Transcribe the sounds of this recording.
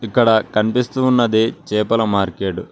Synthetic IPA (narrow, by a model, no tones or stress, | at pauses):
ikːɐɽɐkɐnipist̪uːnːɐd̪et͡ʃɛːpɐlɐmaːɾkeːʈu